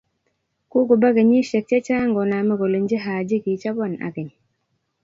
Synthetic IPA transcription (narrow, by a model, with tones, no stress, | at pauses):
ku˦ɡu˨ba˦ɡə˨ɲi˦ʃe˨k̚t͡ʃe˦t͡ʃa˦ŋɡɔ˨na˨mə˦ɡo˨li˨n˦d͡ʒi˦ɦaː˨d͡ʒi˦ki˨t͡ʃa˦ba˦˨na̰˨ɡə˨ɲ˨